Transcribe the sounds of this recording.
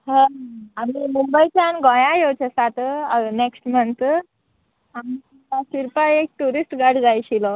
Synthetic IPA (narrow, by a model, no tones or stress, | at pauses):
ɦə̃ɦamimumbəit͡ɕanɡɔ̃jãjot͡ɕʰesat̪neksʈmənt̪ | ɦami | asiɾpajek̚ʈuɾisʈɡaɽd͡zajɕilɔ